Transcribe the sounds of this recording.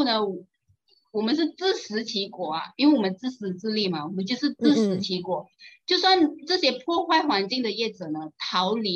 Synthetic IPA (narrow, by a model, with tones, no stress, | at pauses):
nə˩˨ | wɔ˨˩mə˦nʂ̬ɻ̩˥˩t͡sɹ̩˥˩ʂɻ̩˧˥t͡ɕʰi˧˥kwɔ˨˩ɐ˩i˥nwe˥˩wɔ˨˩mə˦nt͡sɹ̩˥˩ʂɻ̩˧˥t͡sɹ̩˥˧li˥˩mɐ˩wɔ˨˩mə˦nt͡ɕjo˥˧ʊʂɻ̩˥˧t͡sɹ̩˥˩ʂɻ̩˧˥t͡ɕʰi˧˥kwɔ˨˩˦t͡ɕjo˥˧ʊswa˥˧nʈ͡ʂɤ˥˩ɕjɛ˧˥pʰwɔ˥˧xwa˥˩ɪxwa˧˥nt͡ɕi˥˩ŋd̪ə˩jɛ˥˩ʈ͡ʂɤ˨˩nə˦t̪ʰɑ˧˥ʊli˧˥